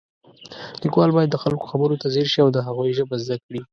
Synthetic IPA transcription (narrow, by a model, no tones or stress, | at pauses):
likwɑlbɑjad̪ːəxalko̥xabəɾot̪azeɾʃiawd̪əɦaɣujʒəbazd̪akɽi